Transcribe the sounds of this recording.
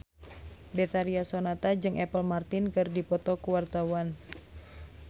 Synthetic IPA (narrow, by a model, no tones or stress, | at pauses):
bɛt̪aɾiasonat̪ad͡ʒɨŋʔɛpəlmart̪ɪnkɨrdipɔt̪ɔkuwart̪awan